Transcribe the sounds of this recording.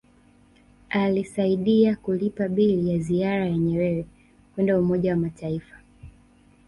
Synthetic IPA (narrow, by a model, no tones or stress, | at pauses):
alisaiɗiakulipaɓilijaziaɾajaɲɛɾɛɾɛ | kwɛndaumɔʄawamataifḁ